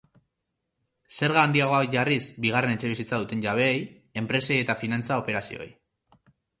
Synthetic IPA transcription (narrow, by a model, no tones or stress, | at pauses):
se̞ɾɣaːnd̪iaɣoaʝarisbiɣ̞are̞ne̞t͡ʃe̞β̞isit͡saðut̪e̞nʝaβ̞e̞ːj | e̞mpɾe̞seje̞t̪afinant͡sao̞pe̞ɾasio̞̰ḛj